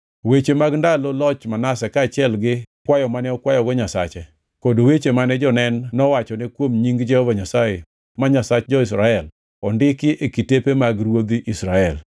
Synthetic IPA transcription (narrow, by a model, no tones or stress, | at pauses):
wet͡ʃemaɡndalɔlɔt͡ʃmanasɛkaːt͡ʃɪɛlɡɪkwajɔmanɛɔkwajɔɡɔɲasa̰t͡ʃɛ | kodowet͡ʃemanɛd͡ʒɔnɛnːɔwat͡ʃɔnɛkwomɲiŋɡd͡ʒɛhɔvaɲasaje | maɲasat͡ʃd͡ʒɔɪs̬ɾaɛl | ɔndɪkɪʔekitepemaɡɾwod̪iʔisɾaɛl